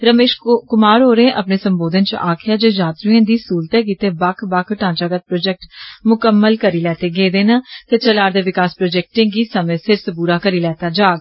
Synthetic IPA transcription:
ɾəmeːʃkʊmaːɾɦoːɾẽːʔəpneːsəmboːd̪ənt͡ʃəaːkʰɪjaːd͡ʒeːd͡ʒaːt̪ɾuãːd̪iːsuːlt̪ɛːk̬iːt̪eːbəkʰbakʰʈãːt͡ʃaːɡət̪̚pɾoːd͡ʒɛk̚ʈmʊkəmːəlkəɾiːlɛːt̪eːɡeːd̪eːnãːt̪ʰeːt͡ʃəlaːɾd̪eːʋɪkaːspɾoːd͡ʒɛːk̚ʈɪ̃ːŋɡiːsəmẽːsɪɾsəbuːɾaːkəɾiːlɛːt̪aːd͡ʒaːɡ

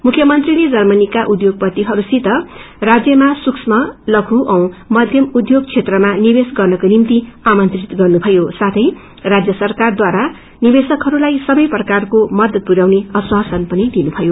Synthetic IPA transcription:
mukʰjʌmʌnt̪riled͡zʌrmʌnikaʔud̪joɡ̚pʌt̪iɦʌɾusit̪ʌ | rad͡zjʌmasuksmʌlʌkʰuʔʌw̃mʌd̪ʱjʌmud̪joɡ̚t͡sʰet̪rʌmanibesɡʌrnʌkonimt̪iamʌnt̪rit̪ɡʌrnubʱʌjosat̪ʰʌj | rad͡zjʌsʌrkard̪waɾa | nibesʌkɦʌɾulajsʌbʌjprʌkarkomʌd̪ʌd̪̚puɡawneʌswasʌnpʌnid̪inubʰʱʌjo

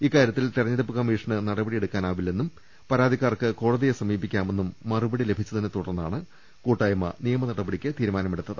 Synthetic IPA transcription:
iːkːaːɾjɐt̪ːilt̪irɐɲːɐɾɐpːɨkɐmːiːʂɐɳɨnɐɽɐbɐɽije̞ɽukːaːnaːʋilːenːum | pɐɾaːd̪ʱikːaːrkɨko̞ːɽɐðijesɐmiːbikʲːaːme̞nːumːɐrubɐɽile̞bʱit͡ɕːɐðinːet̪uɽɐrnɐa̰ːɳɨ | kuːʈːaːjɐmɐ̰nijɐmɐnɐɽɐbɐɽikʲːɨt̪iːɾumaːnɐmeɽut̪ːɐðɨ

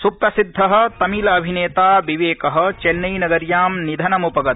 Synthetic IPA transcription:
supɾɐsid̪ʱːɐɦɐ̆t̪ɐmiːlɐɐbʱineːt̪aːʋiʋeːkɐɦɐ̆t͡ʃenːɐjnɐɡɐɾjaːmnid̪ʱɐnɐmupɐɡɐt̪̚

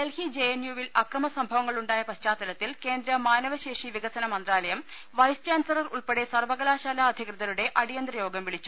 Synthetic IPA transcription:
elhid͡ʑejenjuʋilɐkrɐmɐsɐmbʱɐʋɐŋːɐɭuɳɖaːjɐpɐɕt͡ɕaːt̪ːɐlɐt̪ːilke̞ːnd̪ɾɐmaːnɐʋɐɕe̞ːʂiʋiɣɐsɐnɐmɐnd̪raːlɐjɐm | ʋɐjst͡ɕaːnsɐrɐruɭpeɽe̞sɐrʋɐɣɐlaːɕaːlaɐd̪ʱikrɨðɐluɽe̞ʔɐɽijɐnd̪rɐjo̞ːɡɐmʋiɭit͡ɕːu̥

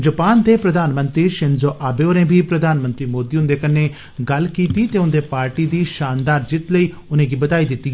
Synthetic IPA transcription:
d͡ʒəpaːnd̪eːpɾəd̪aːnmənt̪ɾiːʃɪnzoːʔaːbeːoːnẽːbʱiːpɾəd̪aːnmə̃nt̪ɾiːmoːd̪iːʊnd̪eːkəneː | ɡəlkiːt̪iːt̪eːʊnd̪eːpaːɾʈiːd̪iːʃaːnd̪aːɾd͡ʒɪt̪ləiː | ʊnẽːɡiːbət̪aːiːd̪ɪt̪ːiː

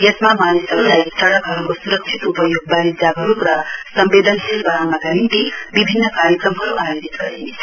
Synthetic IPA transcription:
jʌsmamanesʌbulajsʌɽʌkɦʌɾukosuɾʌk̚t͡ʃʰit̪upʌjoɡ̚baɾid͡zaɡʌɾukɾʌsʌmbed̪ʌnselbaɾanʌɡaɦint̪ibibʱinːʌkaɾjəkɾʌmɦʌɾuʔajod͡zit̪ɡʌɾḛnet͡sʰʌ

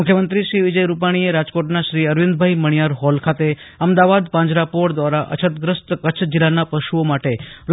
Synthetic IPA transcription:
mʊkʰjəmənt̪ɾiʃɾiʋɪd͡ʒəjɾup̬aɽ̃ieɾad͡ʒkoʈnaʃɾiəɾʋĩnd̪bʱaiməɽ̃ijaɾɦɔlkʰat̪e | əmd̪aʋad̪pãɲd͡ʒɾapoʈd̪ʋaɾaʔə̰t͡ʃʰət̪ɡɾəst̪kət͡ʃʰd͡ʒilːanapəʃuomaʈeɾu

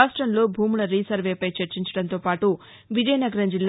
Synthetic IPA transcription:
aːsʈɾɐnloːbʱuːmuɭɐɾiːsɐɾʋeːpɐjt͡ʃɐɾt͡ʃiɲt͡ʃɐɽɐnt̪oːpaːʈu | ʋid͡ʒɐjɐnɐɡɐɾɐd͡ʒilː

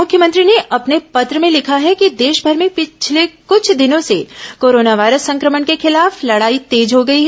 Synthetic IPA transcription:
mʊkʰjəmə̃nt̪ɾineʔɐpnepɐt̪ɾəmẽlɪkʰaɦɛkid̪eːʃbʱɐɾmẽpɪt͡ʃʰlekʊt͡ʃʰd̪ɪnõsekoːɾoːnaʋaːɪɾəsːɐ̃ŋkɾəmənkexɪlaːflɐɽaːit̪eːd͡ʒɦoɡɐiɦɛ

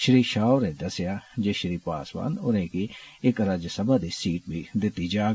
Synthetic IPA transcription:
ʃɪɾiːʃaːʊɾẽd̪ɐsɪjad͡ʒeʃɾiːpa̰ːsʋa̰ːnʊɾẽkiɪkɾad͡ʒesɐbad̪isiːʈ̚bʱid̪ɪt̪id͡ʒaːɡ

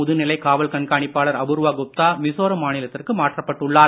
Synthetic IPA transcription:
ʊðɯnɪlɐɪkaːʋɐlkɐɳkaːɳɪpːaːɭɐɾɐbɯɾʋaːɡʊp̚t̪aːmɪsoːɾɐmaːnɪlɐt̪ːɪrkɯmaːʈrɐpːɐʈːɯɭːaːɾ

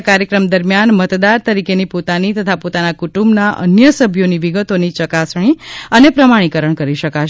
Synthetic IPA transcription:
kaɾjəkɾəmd̪əɾmjanmət̪d̪aɾt̪əɾikenipot̪anit̪ət̪ʰapot̪anakuʈumbnaʔə̰njəsəbʱjoniʋiɡət̪onit͡ʃəkasɳ̃iənepɾəmaɽ̃ikəɾəɳkəɾiʃəka

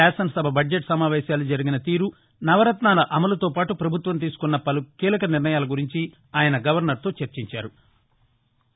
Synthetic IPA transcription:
aːsɐnsɐbʱɐbɐɖd͡ʒeʈsɐmaːʋɛːʃjaːlud͡ʒɐɾiɡinɐt̪iːɾu | nɐʋɐɾɐt̪naːlɐʔɐmɐlɐt̪oːpaːʈupɾɐbʱut̪ʋɐmt̪̬iːsu̥kunːɐpɐlukiːlɐkɐniɾnɐjaːlɐɡuɾiɲt͡ʃi | aːjɐnɐɡɐʋɐɾnɐɾt̪o̞ːt͡ʃɐɾt͡ʃiɲt͡ʃa̰ːɾu

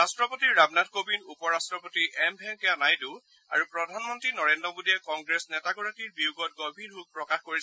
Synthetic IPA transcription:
astɹɔpotiɹɹabnadkobinupɔɹastɹɔpotiʔɛmbʱɛŋkɛnajdu | a̰ɹupɹɔdʱanmɔntɹinɔɹendɔmudijɛkɔŋɡɹesnɛtaɡɔɹatiɹbiuɡɔt̚ɡɔbʱinɦuk̚pɹɔkaxkoɹis

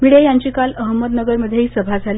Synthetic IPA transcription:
miɽejaɲt͡ɕiːkaləɦmːəd̪nəɡəɾməd̪ʱːjeɦiːsəbʱad͡zʱali

